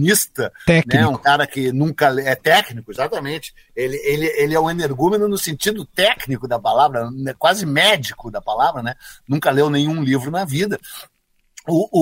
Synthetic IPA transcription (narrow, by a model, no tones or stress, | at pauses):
nist̪ɐɛnɛũkaɾɐkɪnũkɐlɛt̪ɛknikʊezat̪ɐmẽt͡ʃɪ̥ | elɪelɪelɪɛũẽneɾɡũmenʊnʊsẽnt͡ʃid̪ʊt̪ɛknikʊd̪ɐpalavɾɐɛkwazɪmɛd͡ʒikʊd̪ɐpalavɾɐnɛnũkɐlewnẽj̃ũlivɾʊnɐvid̪ɐ | ʊ